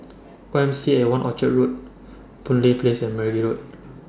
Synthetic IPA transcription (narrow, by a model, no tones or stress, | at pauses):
oɛ̃msiewãnʔɔ̰t͡ʃəʔ̚ɹut̚ | pũnliplesɛ̃nmɛɹɡiɹut̚